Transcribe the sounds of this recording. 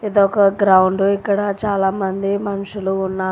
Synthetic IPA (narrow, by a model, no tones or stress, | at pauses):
ed̪oɔkɐɡɾɐwuɳɖuikːɐɽɐt͡ʃaːlaːmɐnd̪imɐnuʂuluːnːaː